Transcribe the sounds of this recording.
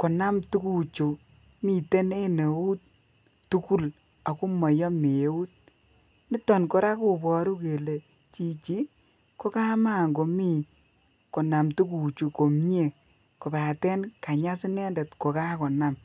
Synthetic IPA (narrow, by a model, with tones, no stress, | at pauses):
kɔ˨na˦mtu˦ku˨t͡ʃu˨ | mi˨te˦ne˦ne˨u˦t̚ | tu˦ku˦l | a˨ku˦mɔ˨jɔ˦me˨e˨˦u˦t̚ | ni˦tɔ˨nko˨ɾa˦ku˨bɔ˨ɾu˦ke˨le˨ | t͡ʃi˦t͡ʃi˦ | ko˦ka˦ma˦˨ŋɡo˨mi˨ | kɔ˨na˨mtu˦ku˨t͡ʃu˨ko˨mɲe˦˨ | ko˨pa˨tɛ˦nka˨ɲa˦s̬i˦nɛ˦ndɛ˨tko˨ka˦kɔ˨na˦m